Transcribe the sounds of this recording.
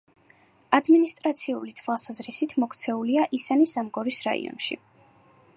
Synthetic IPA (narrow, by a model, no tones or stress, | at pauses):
ad̪minist̪ʼɾat̪sʰiulit̪ʰwalˠsazɾisit̪ʰmɔkʰt̪sʰɛuliaʔisanisamɡɔɾisɾa̰ḭɔ̰nʃḭ